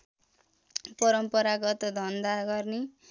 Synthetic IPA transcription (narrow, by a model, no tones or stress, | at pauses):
pʌɾʌmpʌɾaɡʌt̪d̪ʱʌnd̪aɡʌrne